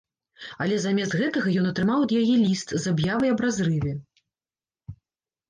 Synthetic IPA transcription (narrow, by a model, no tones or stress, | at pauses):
ɐlʲɛzamʲɛst̪ɣɛt̪ɐɣɐjɔnɐt̪ɾɨmawɐd̪jajɛlʲist̪zabjavɐjɐbɾazɾɨvʲɛ